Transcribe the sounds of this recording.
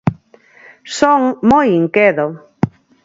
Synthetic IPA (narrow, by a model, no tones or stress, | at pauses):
soŋmojiŋkeðo